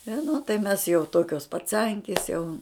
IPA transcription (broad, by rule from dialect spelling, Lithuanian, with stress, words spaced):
ɪ nʊ tɐɪ ˈmʲɛs jɛʊ ˈtoːkʲoːs pɐˈt͡sɐŋʲkʲɪs jɛʊ